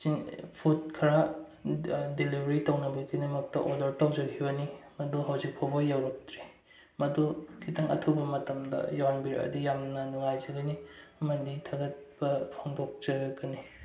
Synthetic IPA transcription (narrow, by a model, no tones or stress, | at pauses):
siŋpʰut̚kʰɐɾa | delibʱɐɾitɐwnɐbikʰidɐmɐk̚tɐʔodɐɾtɐwd͡ʒɐɡʰibɐnimɐduɦɐwzik̚pʰobojːawɾɐk̚tɾi | mɐdukʰitɐŋɐ̰tʰubɐmɐtɐmdɐ̰jawanbiɾ̰ɐ̰dijamnɐnuŋajzɐɡɐniɐmɐditʰaɡɐt̚bɐpʰoŋdok̚d͡ʒɐɡɐni